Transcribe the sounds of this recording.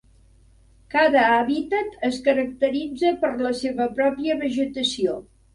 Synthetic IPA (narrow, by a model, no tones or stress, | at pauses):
kaðəaβit̪ət̪əskəɾək̚t̪əɾid͡zəpəɾləseβəpɾɔpiəβəʒət̪əsio